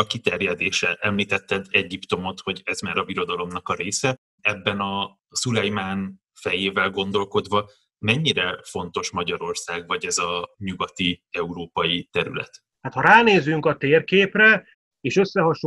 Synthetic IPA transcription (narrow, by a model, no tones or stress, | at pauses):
ɒkit̪ɛrjɛd̪eːʃɛʔɛmliːt̪ɛt̪ːɛd̪ɛɟːipt̪o̞mo̞t̪ho̞ɟɛzmaːɾɒviɾo̞d̪ɒlo̞mnɒkɒɾeːsɛ | ɛbːɛnɒ | sulɛjmaːn | fɛjeːvɛlɡo̞nd̪o̞lko̞d̪vɒ | mɛɲːiɾɛfo̞n̪t̪o̞ʃmɒɟɒɾo̞rsaːɡvɒɟɛzɒɲuɡɒt̪iɛuɾoːpɒjit̪ɛɾy̰lɛ̰t̪ | haːt̪hɒɾaːneːzyŋkɒt̪eːrkeːprɛ | eːʃø̞sːɛɦɒʃ